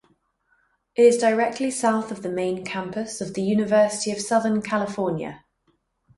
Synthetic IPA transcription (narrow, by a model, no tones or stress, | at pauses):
ʔɪtɪzdəɹɛk̚tʰlisaʊθəvðəmẽɪ̃nkʰãmpəsəvðəjʉːnɪvɜˑsɪ̥tʰiəv̥sʌðənkʰalɪfɔːnjə̰